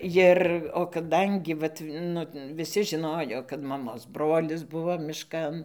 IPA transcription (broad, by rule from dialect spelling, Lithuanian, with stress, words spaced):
ˈjɪr oː kɐˈdɐŋʲɡʲɪ ˈʋɐt ˈnʊ ʋʲɪˈsʲɪ ʒʲɪˈnoːjoː kɐt mɐˈmoːs ˈbroːlʲɪs ˈbʊʋoː mʲɪˈʃkɐn